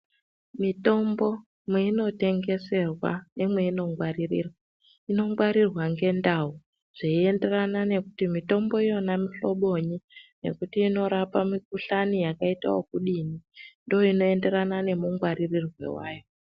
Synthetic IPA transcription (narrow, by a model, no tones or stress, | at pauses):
mito̞mbo̞ | mweino̞te̞ŋɡe̞se̞rwa̰nemwe̞ino̞ŋɡwarirḭːrwa | ino̞ŋɡwaɾirwaŋɡe̞ndau | ʐ̥eie̞nde̞ranane̞kutimito̞mbo̞ijo̞namiɬo̞ɓo̞ɲine̞̰kutiːno̞ɾapamik̚uɬanijakaita̰wo̰kuɗinindojoino̞e̞nde̞ɾanane̞muŋɡwaɾirirwe̞̰waːjo